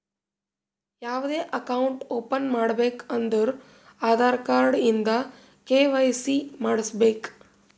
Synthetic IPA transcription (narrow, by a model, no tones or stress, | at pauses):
jaʋd̪eʔəkauɳʈopənmaɽbekənd̪əɾ | ad̪ʱaɾkaɾɽind̪a | keʋajsimaɽəsbek